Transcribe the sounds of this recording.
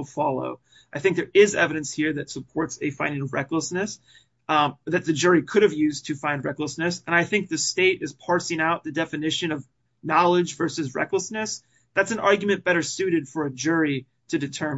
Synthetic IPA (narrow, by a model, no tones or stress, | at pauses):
lˠfɑlˠo̰ʊ | ʔaɪθɪ̃ŋk̚ðə˞ʔɪzɛvɨɾɨ̃nshiɹðɨtsəpʰɔɹtsɨfãɪ̃ndɪ̃ŋʌvɹɛkləsnɨs | ðɨt̪̚ðɨd͡ʒʊɹikʰʊɾɨvjʉztʰɨfãɪ̃nd̚ɹɛkləsnɨsə̃naɪθɪ̃ŋk̚ðɨsteɪɾɨz̥pʰɑɹsɪ̃ŋaʊt̪̚ðɨdɛfɨnɪʃɨ̃nʌv | nɑlˠəd͡ʒvɜ˞sɨzɹɛ̰kləsnɨs | ðætsn̩ɑɹɡjmɨ̃nb̥ɛɾə˞sʉɾɨd̥fə˞ɨd͡ʒʊɹi | ɾɨdɨtʰɜ̃˞m